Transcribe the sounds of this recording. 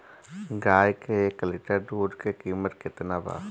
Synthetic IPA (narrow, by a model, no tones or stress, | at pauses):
ɡaːjkeeːklɪʈəɾɖoːɖkekiːmət̪kɪt̪nabʱa̰ː